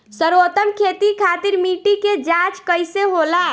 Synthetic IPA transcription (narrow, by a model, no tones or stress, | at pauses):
səɾot̪əmkʰeːt̪ikʰaːt̪iɾmiːʈiked͡ʒãt͡ʃkəɪseɦoːla